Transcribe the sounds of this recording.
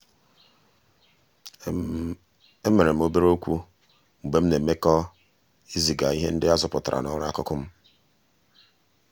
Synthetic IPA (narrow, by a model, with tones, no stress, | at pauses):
e˦me˨ɾe˨m̩˦o˦be˦ɾo˦kʷu˦ | ŋ͡m̩˨ɡ͡be˦m̩˦ne˨me˦kɔ˦ | i˦zi˨ɡa˨i˦ɦe˦n̩˦dɪ˦a˦zʊ˨pʊ˨ta˨ɾʔa̰˨nɔ˦ɾa˦a˦kʊ˦kʊ˦m̩˦